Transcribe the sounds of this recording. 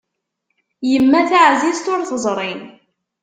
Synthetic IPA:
jəmːæθaʕzizt̪ʊɾθəzˤɾˤɪn

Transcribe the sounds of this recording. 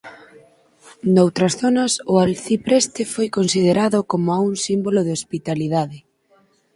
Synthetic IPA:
nowt̪ɾɐsθonɐsʊalθipɾɛst̪ɪfojkonsið̞eɾaðʊkomʊauŋsimbolʊð̞eospit̪aliðaðɪ

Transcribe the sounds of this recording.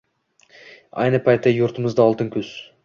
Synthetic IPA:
ɑ̰jnɨpʰɑjt̪ːɑjuɾt̪ʰəməzd̪əɑlˠt̪əŋkʲʰɵz̥

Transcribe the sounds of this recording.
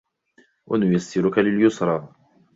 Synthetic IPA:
wʔa̰nʊjasːɪɾʊkalɪljʊsɾˤɑː

